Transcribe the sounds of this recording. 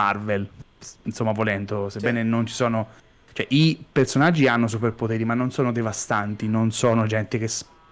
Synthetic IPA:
arvel | insomːavolɛnd̪osebːɛːnenont͡ʃi̥sɔːno | t͡ʃoɛʔipersonad͡ʒːianːos̬uperpot̪ɛːɾimanːonsɔːnod̪evast̪ant̪inonsɔːnod͡ʒɛnt̪ek̟es

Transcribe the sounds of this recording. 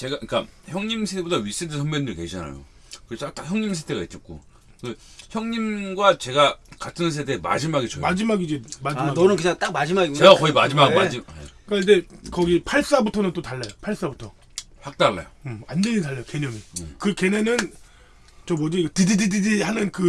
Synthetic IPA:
t͡ɕe̞ɡaik͈a̰çjʌŋɲimsʰetʰebodaɥis͈edɯsʰʌŋmendɯɭke̞ɕʰana̰jo̰ | kɯɾesʰak̚t͈akçjʌŋɲimsʰetʰeɡait͡ɕ͈ʌt̚k͈o | kɯçjʌŋɲimɡwat͡ɕe̞ɡakatʰɯnns̬ʰetʰema̰d͡ʑimaɡet͡ɕomad͡ʑimaɡid͡ʑimad͡ʑimaʌnɯnkɯɲaŋt͈ak̚mad͡ʑimaɡiɡoeakʌimad͡ʑimakmad͡ʑimek͈aid͡ʑe̞kʌɡipʰaɭs͈abutʰʌnɯnt͈otaɭːajopʰaɭs͈abutʰʌ | hak̚t͈aɭːa̰jo̰ɯandeɲintaɭːajokeɲʌmɯkɯke̞ne̞nɯn | t͡ɕʌmʌd͡ʑiɡatɯdidididihanɯnkɯ

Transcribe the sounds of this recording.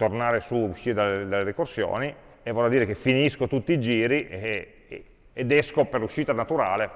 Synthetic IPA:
t̪ornaːɾesuuʃːiːɾed̪aled̪alːeɾikorsjo̰ːni | evɔlːad̪iːɾekefːiniskot̪ut̪ːiːd͡ʒiːɾi | ed̪ɛskoperluʃːiːt̪anat̪uɾaːle

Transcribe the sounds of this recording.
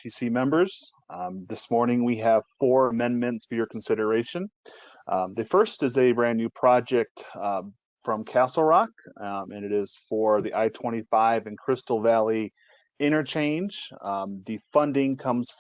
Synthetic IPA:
pʰisimɛ̃mbə˞z̥ | ðɪsmɔɹnɪ̃ŋwiɨv̥fɔɹəmɛ̃nmɨ̃ntsfə˞jə˞kʰn̩sɪɾə˞eɪʃɨ̃n | ðɨfɜ˞stɨzɨbɹæ̃njʉpʰɹ̥ɑd͡ʒɛk̚t | fɹʌ̃mkʰæsl̩ˠɹɑk̚ɨ̃nɨɾɪz̥fə˞ðiʔaɪtʰw̥ɛ̃ɾ̃ifaɪvɨ̃nkʰɹ̥ɪstl̩ˠvælˠi | ɪ̃ɾ̃ə˞t͡ʃʰẽɪ̃nd͡ʒðɨfʌ̃ndɪ̃ŋkʰʌ̃mz̥

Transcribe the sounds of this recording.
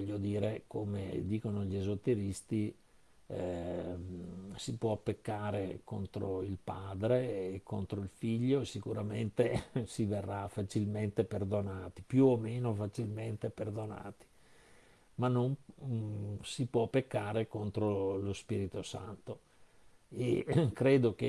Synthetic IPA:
vɔʎːod̪iːɾekomḛd̪iːkonoʎiezot̪ːeɾist̪i | sipwɔpːekːaːɾeko̰nt̪ɾoilpaːd̪ɾeːkont̪ɾoilfiʎːosikuɾament̪esiverːafat͡ʃilment̪eperd̪onaːt̪i̥pjuomeːnofat͡ʃilment̪eperd̪ona̰ːt̪i̥ | manːom | sipwɔpːekːaːɾekont̪ɾolospiːɾit̪osa̰nt̪o | ekɾeːd̪oke

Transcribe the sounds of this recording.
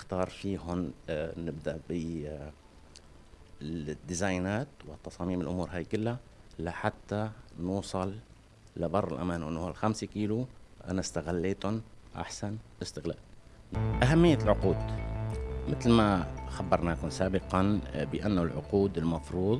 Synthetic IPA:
ɪxt̪ɑːɾˤfiːɦʊmnɪbd̪aʔbɪ | d̪ːɪzaːjnaːt̪wɪt̪ːɑsˤɑːmiːmɪlʔʊmuːɾɦaːjkʊlːalaħat̪ːanuːsˤɑl | lɪbɑrˤːɪ̰lʔa̰maːnwʔɪnːhualxamsikiːluʔa̰nast̪aɣalːeːt̪ʊnʔa̰ħsanʔɪst̪ɪɣla̰ːl | ʔaɦamːɪjːalʕʊquːd̪ | mɪt̪lmaxabːɑɾˤnaːkʊmsaːbɪqɑnbɪʔanːʊlʕʊ̰quːd̪ɪlmɑfɾuːd̪ˤ

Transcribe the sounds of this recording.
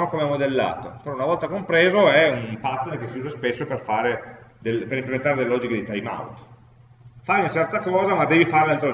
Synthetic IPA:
okomeamːod̪elːa̰ːt̪o̰peɾɔunavɔlt̪akompɾeːzoɛumpat̪ːerkesiuːzaspesːoperfaːɾed̪elpeɾimplement̪aɾed̪elelɔːd͡ʒiked̪it̪ajma̰wt̪ | fajunat͡ʃɛrt̪akɔːzamad̪ːɛːvifaɾelalt̪ɾo

